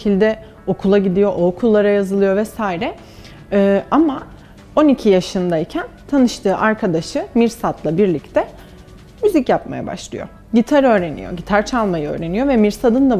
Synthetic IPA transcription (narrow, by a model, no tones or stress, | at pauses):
ilʲd̪ɛ | o̞kʰulˠaɟid̪ijo̞ʔokʰulˠːaɾajazɯlˠɯjo̞vɛsaːiɾɛ | ɯːama | o̞nicʰijaʃɯnd̪aicʰænt̪ʰanɯʃt̪ʰɯːʔaɾkʰad̪aʃɯmiɾsat̪lˠabiɾlʲict̪ʰɛ | myzicjap̚ma̰ja̰ba̰ʃlˠɯ̰jo̞̰ | ɟit̪ʰaɾø̞ːɾe̞nḭjo̰ɟit̪ʰaɾt͡ʃʰalˠmajɯø̞̰ːɾe̞nijo̞vɛmiɾsad̪ɯnd̪a